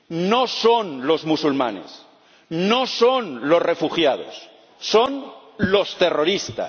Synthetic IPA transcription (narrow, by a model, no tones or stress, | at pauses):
nosonlo̞zmusulma̰nḛs | nosonlo̞zrefuxjað̞o̰sː | onlo̞st̪e̞roɾist̪a̰s